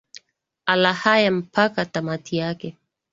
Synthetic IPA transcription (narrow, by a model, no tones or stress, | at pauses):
alahajam̩pakatamatijakɛ